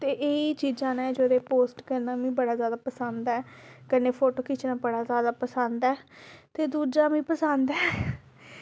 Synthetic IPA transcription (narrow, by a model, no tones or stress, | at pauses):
t̪eːʔeːit͡ʃiːd͡ʒãːnɛ̃ːd͡ʒoːɾeːpoːsʈkəɾnaːmĩːbəɽaːzjaːd̪aːpəsənd̪ɛːkəneːpʰoːʈoːkɪt͡ʃnaːbəɽaːzjaːd̪aːpəsənd̪ɛːt̪eːd̪uːd͡ʒaːmĩːpəsənd̪ɛː